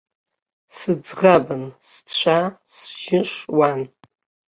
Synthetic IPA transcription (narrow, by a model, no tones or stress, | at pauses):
sɨd͡zʁabɨnst͡ɕʷʰasʒɪʂwan